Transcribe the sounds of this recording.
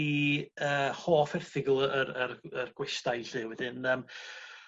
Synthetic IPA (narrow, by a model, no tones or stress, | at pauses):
iəːhoːfɛrθɪɡlˠəɾərərɡ̥wɛstajɬɪwɛdɨnəːm